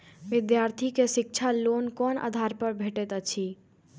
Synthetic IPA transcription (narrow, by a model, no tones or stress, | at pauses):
ʋɪd̪jaːɾt̪ʰikeʃɪk̚t͡ʃʰaloːnkɔːnʔa̰d̪ʱaːɾpəɾbʱeːʈet̪ət͡ʃʰi